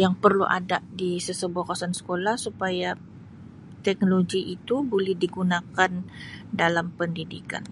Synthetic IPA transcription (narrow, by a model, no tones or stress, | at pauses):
jaŋpərlṵʔa̰daʔdisəsəbuahkasɔnsə̥kolahsupaja | t̪ɛk̚noloɡiʔit̪ubolɛhdiɡunakandalampəndidika̰n